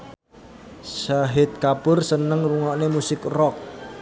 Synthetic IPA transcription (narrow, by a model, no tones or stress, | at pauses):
saɦɪt̪̚kapʊrsənəŋruŋɔʔnemusɪkrɔk̚